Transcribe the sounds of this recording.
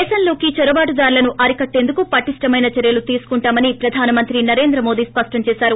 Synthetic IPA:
eːsɐnlo̞ːkit͡ʃɐɾɐbaːʈud̪aːɾlɐnuʔɐɾikɐʈːe̞ːnd̪ukupɐʈisʈɐmɐjnɐt͡ʃɐɾjɐlut̪iːsu̥kuɳʈaːmɐnipɾɐd̪ʱaːnɐmɐnt̪ɾinɐɾe̞ːnd̪ɾɐmo̞ːd̪iːspɐʂʈɐmt͡ʃɛːsaːɾu

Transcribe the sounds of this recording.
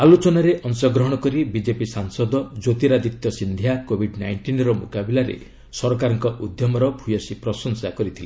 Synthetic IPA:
alot͡ʃɔnaɾeʔɔnsɔɡɾɔɦɔɽ̃ɔkɔɾibid͡ʒepisaŋsɔd̪ɔd͡ʒot̪iɾad̪it̪jɔsind̪ʱjakobʱiɖnajɳʈinɾɔmokabilaɾḛ | sɔɾɔkaɾɔŋkɔʔud̪jɔmɔɾɔbʱujɔsipɾɔsɔŋsakɔɾit̪ʰile

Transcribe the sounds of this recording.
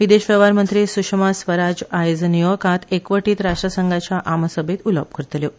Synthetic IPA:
ʋid̪eɕʋəʋaɾmənt̪ɾiːsukʂmasʋəɾad͡zajd͡znijokãt̪ekʋəʈiːt̪ɾaʂʈɾəsəŋɡat͡ɕaʔamsəbʱet̪uləp̚kəɾt̪ljo

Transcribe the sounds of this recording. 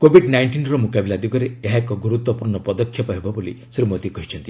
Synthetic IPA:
kobʱiɖnajɳʈinɾɔmukabilad̪iɡɔɾeeɦaekɔɡuɾut̪wɔpuɾɳɔpɔd̪ɔkʰːjɔpɔɦebɔbolḭ | sɾimot̪ikɔɦit͡ʃʰɔnt̪i̥

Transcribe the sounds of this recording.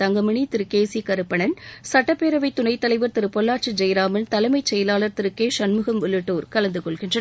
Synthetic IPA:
t̪ɐŋɡɐmɐɳit̪ɪɾɯkːeːsikɐɾɯpːɐɳɐnsɐʈːɐpːeːɾɐʋɐɪt̪ːʊɳɐɪt̪ːɐlɐɪʋɐɾt̪ɪɾɯpːɔlːaːɾt͡ʃɯd͡ʒɐjɾaːmɐnt̪ɐlɐɪmɐɪt͡ʃːɛjɐlaːlɐɾt̪ɪɾɯkːeːʂɐnmɯɣɐmʋʊɭːɯʈːoːɾkɐlɐnd̪ɯkɔɭɣɪndrɐ

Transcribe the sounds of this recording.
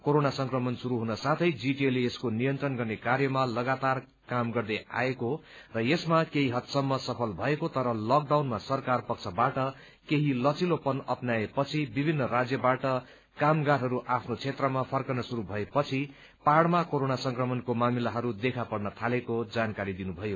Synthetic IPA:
koɾonasʌŋkrʌmʌnsuɾuɦunʌsat̪ʰʌjd͡ziʈieleeskonijʌnt̪rʌnɡʌrnekarjʌmalʌɡat̪ar | kamɡʌrd̪ʌa̰ekorʌjesmakeɦiɦʌt̪sʌmːʌsʌpʰʌlbʱʌekot̪ʌɾʌlʌk̚ɖawnmasʌrkarpʌk̚t͡sʰʌbaʈʌ | keɦilʌt͡silopʌnʌpnaepʌt͡sʰibibʱinːʌrad͡zjʌbaʈʌ | kamɡaɾɦʌɾuʔapʰnot͡sʰet̪rʌmapʰʌrkʌnʌsuɾubʱʌepʌt͡sʰi | paɽmakoɾonasʌŋkrʌmʌnkomamilaɦʌɾud̪ekʰapʌrnʌt̪ʰalekod͡zankaɾid̪inubʱʌjo

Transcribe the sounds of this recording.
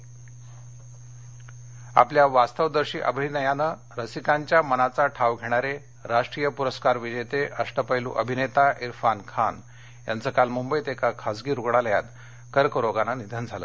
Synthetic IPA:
a̰pljaʋast̪əʋd̪əɾɕiːʔə̰bʱinəjanə | ɾəsikaɲt͡ɕjamənat͡saʈʰaʋɡʱeɽ̃aɾe | ɾaʂʈɾijəpuɾəskaɾʋid͡ʑəjt̪eʔəsʈəpəjlṵ̃ʔəbʱinet̪aʔiɾfankʰan | ja̰nt͡səkalmumbəjt̪ekakʰad͡zɡiːɾuɡɽaləja̰t̪ | kəɾkəɾoɡananid̪ʱənd͡zʱalə̰ː

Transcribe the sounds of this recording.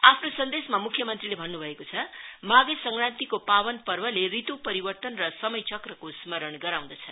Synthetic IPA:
apʰnosʌnd̪esmamukʰjʌmʌnt̪rilebʱʌnːubʱʌekot͡sʰʌmaɡesʌŋkɾant̪ikopabʌnpʌrbʌlerit̪upʌɾibʌrt̪ʌnrʌsʌmʌjt͡sʌkrʌkosmʌɾʌɳɡʌɾaw̃d̪ʌt͡sʰʌ

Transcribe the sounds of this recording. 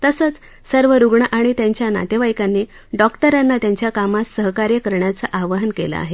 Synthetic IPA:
t̪əsət͡s | səɾʋəɾuɡɳəʔaɽ̃it̪jaɲt͡ɕjana̰t̪eʋajkanːe | ɖɔkʈəɾanːat̪jaɲt͡ɕjakamasəɦkaɾjəkəɾɳjat͡saʔaʋəɦənkḛla̰a̰ɦe

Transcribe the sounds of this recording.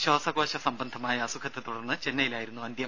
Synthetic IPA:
ɕoːsɐɡo̞ːɕɐsɐmbɐnd̪ʱɐmaːjɐːsukʰɐt̪ːet̪uɽɐrnːɨt͡ɕenːɐjilaːjiɾunːuɐnd̪jɐm

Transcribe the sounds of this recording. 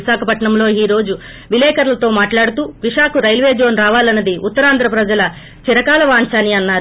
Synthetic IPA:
iʃaːkʰɐpɐʈɳɐmlo̞ːiːɾo̞ːd͡ʒu | ʋilɛːkɐɾlɐt̪o̞ːmaːʈlaːɽut̪uːʋiʂaːkuɾɐjlʋe̞ːd͡ʒo̞ːnɾaːʋaːlɐnːɐd̪iʔut̪ːɐɾaːnd̪ʱɾɐpɾɐd͡ʒɐlɐ | t͡ʃiɾɐkaːlɐʋaːnt͡ʃaːniɐnːaːɾu

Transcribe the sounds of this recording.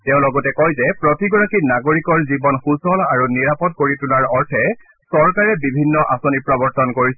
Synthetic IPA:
teʊ̃lɔɡɔtɛkɔjzɛpɹotiɡɔɹakinaɡoɹikɔɹzibɔnxusɔlaɹuniɹapɔt̚koɹitunaɹɔɹtʰɛ | sɔɹkaɹɛbibʱinːɔʔasonipɹabɔɹtʰɔnkoɹisɛ

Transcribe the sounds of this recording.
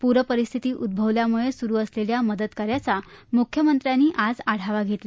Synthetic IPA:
puɾəpəɾist̪ʰit̪iːʔud̪̚bʱəʋljamuɭesuɾuːəsleljaməd̪ət̪kaɾjat͡samukʰjəmənt̪ɾjanːiːʔad͡zaɽ̤aʋaɡʱet̪la

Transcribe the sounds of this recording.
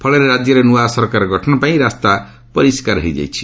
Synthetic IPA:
pʰʌleɾeɾad͡ʒjʌɾenuwasʌɾkaɾɡʱʌʈʰnapaĩɾast̪a | pʌɾiskaɾɦḭjd͡ʒa̰jt͡ʃʰi̥

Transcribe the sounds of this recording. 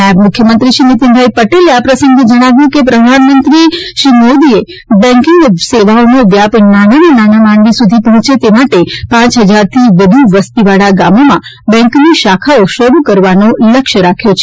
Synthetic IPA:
mʊkʰjəmənt̪ɾiʃinɪt̪inb̪ʱajpəʈeleapɾəsə̃ŋɡed͡ʒəɽ̃aʋjũkepɾəd̪ʱanmənt̪ɾiʃɾimod̪ie | bɛ̃ŋkɪŋɡseʋaonoʋjapnanenenanamanʋisud̪ʱipəɦũt͡ʃet̪emaʈepãt͡ʃɦəd͡ʒaɾt̪ʰiʋəd̪ʱuʋəst̪iʋaɽaɡamomã | bɛ̃ŋkniʃakʰaoʃəɾukəɾʋanoləkʃəɾakʰjot͡ʃʰe̥

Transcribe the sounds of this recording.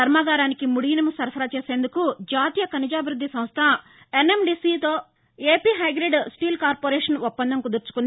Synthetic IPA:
ɐɾmaːɡaːɾaːnikimuɽijnɐmusɐɾfʰɐɾat͡ʃeːse̞ːnd̪ukud͡ʒaːt̪ijɐkɐnid͡ʒaːbʱiɾud̪ʱːisɐ̃mst̪ʰɐ | enemɖiːsit̪o̞ː | eːpiːɦɐjɡɾeɖsʈiːlkaːɾpoːɾeːʂɐnupːɐnd̪ʱɐŋkud̪uɾt͡ʃu̥kund̪i

